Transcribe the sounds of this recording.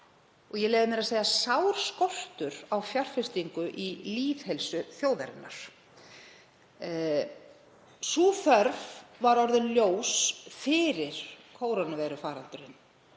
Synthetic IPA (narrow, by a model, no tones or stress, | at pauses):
ɔɣjɛlɛːɣðɪmɪɾaseːjasawɾ̥skɔr̥t̪ʏɾawfjar̥fɪst̪iŋkʏʔiliːvhɛlsʏθjoːwðɛɾɪnːa̰ɾ̥ | suːθœɾvvaɾɔɾðʏnljoːwsfɪːɾɪɾ̥kʰoːwɾanːʏvɛjɾʏfaːɾant̪ʏɾɪ̰nː